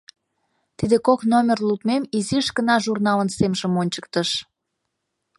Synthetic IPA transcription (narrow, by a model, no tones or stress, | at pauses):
t̪id̪ekoknomʲerlupmemiziəʃkənɑʒurnɑlənsemʒə̆monʲt͡ɕə̥kt̪əʃ